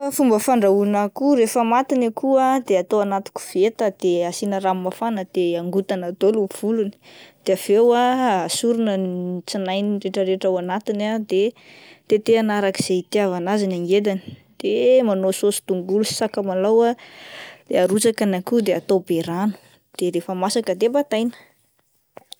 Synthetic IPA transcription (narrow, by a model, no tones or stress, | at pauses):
afumbəfaɳɖ͡ʐaunakuɾefəmat̪inakʰuad̪eat̪oanat̪i̥ku̥v̥et̪əd̪̥easinəɾamːafanəd̪̥eaŋɡut̪anat̪oluv̥uluni̥d̪̥eav̥ewaasuɾunənit͡sinajniɾeʈ͡ʂəɾeʈ͡ʂawanat̪inad̪e | t̪et̪eanaɾakiz̥eit̪iavanazinaŋɡed̪ani̥d̪̥emanososi̥t̪uŋɡulusi̥sakəmalawa | d̪̥eaɾut͡sakanakud̪eat̪obeɾanu̥ | d̪̥eɾefəmasakəd̪ebat̪ajnə̥